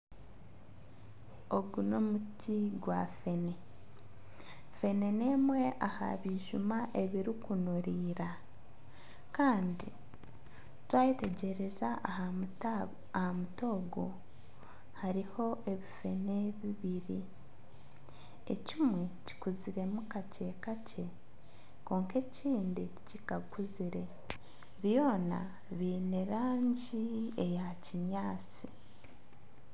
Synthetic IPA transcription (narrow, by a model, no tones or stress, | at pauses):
o̞ɡuno̞mutʰiɡwa̰fe̞ne̞ | fe̞ne̞ne̞mwe̞ʔaha̰βiʒumaʔe̞βiɾikunuɾiːɾa | kaːndi | twaːjite̞ɟe̞ɾe̞za | hamuto̞ːɡo̰ | haɾiho̞ʔe̞βife̞ne̞βiβiɾi | e̞̰cimwe̞ci̥kuziɾe̞mukace̞ːkacʰe̞ | ko̞ːŋke̞ciːndicicikaɡuziɾe̞ | βjo̞ːna̰ | βiːne̞ɾaːɲɟie̞jaciɲaːt͡si